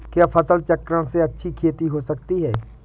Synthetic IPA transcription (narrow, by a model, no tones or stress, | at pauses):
kjaːpʰɐsəlt͡ʃəkːɾəɽ̃seɐtːʃʰikʰeːt̪iɦosɐkt̪iɦɛː